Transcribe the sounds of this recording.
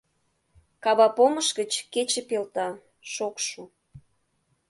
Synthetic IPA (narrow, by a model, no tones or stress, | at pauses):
kɑβɑpoməʃɣət͡ɕket͡ɕə̆pelt̪ɑ | ʃokʃu